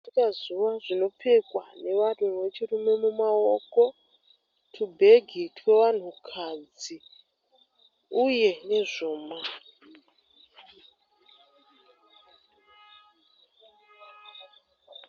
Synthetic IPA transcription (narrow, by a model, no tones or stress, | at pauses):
ikazuʋaʐino̞pʰe̞kwa̰ne̞ʋan̤uwe̞t͡ʃirume̞mumao̞ko̞ | tʰubʱe̞ɡʱitʰwe̞ʋan̤ukʰad͡zi | uje̞ne̞ʐoːma